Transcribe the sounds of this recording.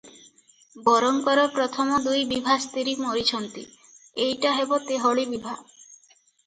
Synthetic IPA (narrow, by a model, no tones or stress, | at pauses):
bɔɾɔŋkɔɾɔpɾɔt̪ʰɔmɔd̪ujbibʱast̪iɾimoɾit͡ɕʰɔnt̪ḭ | ejʈaɦebot̪eɦɔɭibibʱa